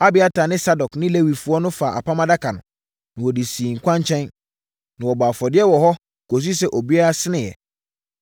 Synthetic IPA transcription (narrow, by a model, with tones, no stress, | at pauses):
a˦bɪ˨a˦ta˨nɪ̃˦sa˦dɔ˨knɪ̃˦le˦wi˨fu˦ɔ˦nʊ̃˦fa˨ʔa̰˨pʰa˦mã˦da˦kʰa˨nʊ̃˨ | nɪ̃˨wɔ˨di˨siː˨ŋ̩˨kʷʰã˦ɲ˦t͡ɕʰɛ̃˦n | nã˨wɔ˨baː˨fɔ˨dɪ˦ɛ˦wɔ˨ɦɔ˦ | ko˨s̬i˦sɛ˨ʔo˨bi˦a˦ɾa˦sɪ˦nɪ̃˨jɛ̰˨